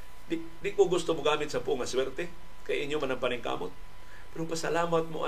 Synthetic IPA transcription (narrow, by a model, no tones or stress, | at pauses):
d̪ɪ | d̪ɪkoɡʊst̪omʊɡaːmɪt̪̚sɐpuʔŋɐswɛɾt̪ɛ | kajaʔɪɲjomanɐŋpanɪŋka̰ːmot̪̚ | pɛɾʊpasalaːmat̪̚moʔa